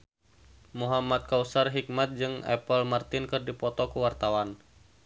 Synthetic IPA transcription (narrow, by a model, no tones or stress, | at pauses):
muɦamat̪̚kausarɦik̚mat̪̚d͡ʒɨŋɛ̰pəlmart̪ɪnkɨrdipɔt̪ɔkuwart̪awan